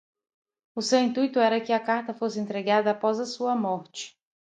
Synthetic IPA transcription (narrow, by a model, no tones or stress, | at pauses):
ʊsewĩnt̪ujt̪ʊɛɾɐkɪɐkaɾt̪ɐfosɪẽnt̪ɾeɡad̪ɐːpɔzɐsuɐmɔɾt͡ʃɪ̥